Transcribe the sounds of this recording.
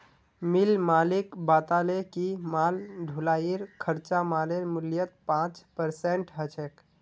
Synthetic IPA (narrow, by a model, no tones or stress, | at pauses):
mɪlmaːlɪkbaːt̪alekimaːlɖʱulaːiɾkʰəɾt͡ʃamaːleɾmʊljət̪̚pãːt͡ʃpəɾseɳʈɦət͡ʃʰek